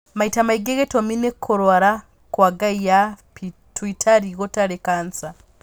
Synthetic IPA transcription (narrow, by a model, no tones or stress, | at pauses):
maitamaiɡeɣetominekʰːoɾwaɾa | kwaɡaijap | tʰwitʰaɾiɣotaɾekaːnt͡sa